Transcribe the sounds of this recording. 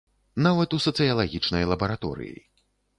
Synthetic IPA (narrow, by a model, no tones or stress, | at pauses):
navɐt̪usɐt̪sɨjɐlˠaɣʲit͡ʂnɐjlˠɐbɐɾat̪ɔ̰ɾɨ̰jḭ